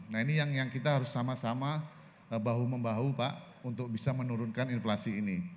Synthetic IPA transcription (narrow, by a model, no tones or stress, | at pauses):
nainijaŋjaŋkit̪aɦaɾʊsːamasama | əbaɦuməmbaɦupaʔ | unt̪ʊk̚bisamənuɾʊnkaninflasiːni